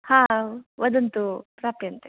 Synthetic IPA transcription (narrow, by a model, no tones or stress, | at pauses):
hãːʋɐd̪ɐnt̪upɾaːpijɐnt̪e